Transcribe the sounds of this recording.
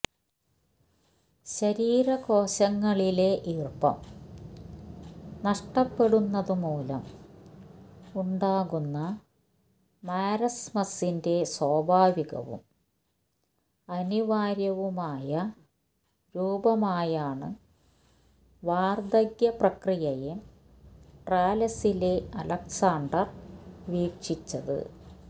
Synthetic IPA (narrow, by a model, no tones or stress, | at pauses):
ɕɐɾiːɾɐko̞ːɕɐŋːɐɭile̞ʔiːrpːɐ̰m | nɐʂʈɐpːe̞ɽunːɐðɨmuːlɐ̰m | uɳɖaːɣunːɐ | maːɾɐsmɐsinde̞swoːbʱaːʋiɣɐ̰ʋṵm | ɐniʋaːɾjɐʋumaːjɐ | ɾuːbɐmaːjaːɳɨ | ʋaːrd̪ɐɣjɐprɐkrijɐje | ʈraːlɐsile̞ɐlɐksaːɳɖɐrʋiːkʂit͡ɕːɐðɨ̰